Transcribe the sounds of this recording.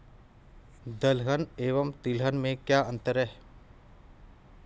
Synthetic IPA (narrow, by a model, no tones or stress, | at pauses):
d̪əlɦəneːʋəmt̪ɪlɦənmẽkjaːə̃nt̪əɾɛː